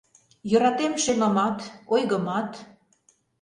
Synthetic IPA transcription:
jø̆ɾɑt̪emʃemɑmɑt̪ojɣə̆mɑt̪

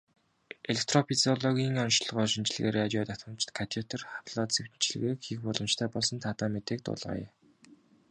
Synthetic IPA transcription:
eɮek̚t̪ʰrɔpʰit͡siɔɮɔɣʲiːŋɔnʃɮɞ̆ʁɔːʃint͡ɕɮɘ̆ɣeːɾat͡ɕaːt̪at̪ə̆mt͡ɕt̪kʰat̪ʰiut̪ʰə̆rχapɮɔːt̪t͡sewt͡ɕɮɘ̆ɣeːkxixpɔɮə̆mt͡ɕt̪ʰæːpɔɮsɞ̆nt̪ʰat̪aːmet̪eːk̚t̪ʊ̰ːɮʁa̰ːjɛ̰

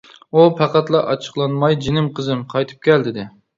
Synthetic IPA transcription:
upʰæqɑt̪lˠɑʔɑt͡ʃʰə̥qlˠɑnmɑjd͡ʒɪnɪmqʰəzɨmqʰɑjt̪ʰɨ̥p̚kʲʰɛld̪ɪd̪ɪ

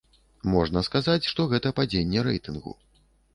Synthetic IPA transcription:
mɔʐnɐskazat͡sʲʂt̪ɔɣɛt̪ɐpad͡zʲenʲːɛɾɛ̰jt̪ɨnɣṵ

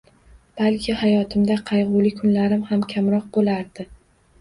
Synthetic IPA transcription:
b̥alkʲʰɪhajɒt̪ʰɪmd̪aqʰɑjʁʊlɪkʰʊnlaɾɪmhamkʲʰamɾɒq̚bolaɾd̪̥ɪ

